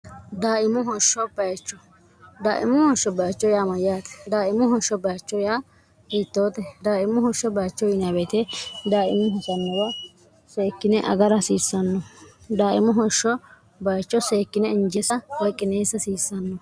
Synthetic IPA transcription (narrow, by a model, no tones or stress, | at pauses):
d̪aːʔɪmʊɦɔʃːɔbɐjt͡ʃːɔ | d̪aːʔɪmʊhɔʃɔbɐjt͡ʃːɔjaːmɐjaːt̪ɛ̥d̪aːɪmʊhɔʃːɔbɐjt͡ʃːɔjaː | iːt̪ːoːt̪ɛd̪aːɪmʊhɔʃɔbɐjt͡ʃːɔjɪnabɛt̪ɛd̪aːʔɪmːʊɦɔsɐnːɔwɐ | seːkːɪnɛʔɐ̰ɡɐɾɐsiːsːɐnːɔd̪aːʔɪmʊɦɔʃɔ | bɐjt͡ʃːɔseːkːɪnɛɪnd͡ʒɛsɐwɔjkʼːɪneːsɐsiːsːɐnːɔ